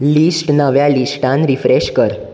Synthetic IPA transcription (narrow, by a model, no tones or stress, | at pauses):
lisʈnəʋjalisʈãnɾifɾeɕkəɾ